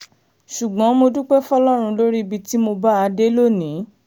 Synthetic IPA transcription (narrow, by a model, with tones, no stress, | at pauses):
ʃu˨ɡ͡bɔ̃˨˦mo˧du˦k͡pɛ˦fɔ˦˧lɔ˦ɾ̃ũ˧lo˦ɾi˦˧bi˧ti˦mo˧ba˦a˧de˦lo˦˨nĩ˨˦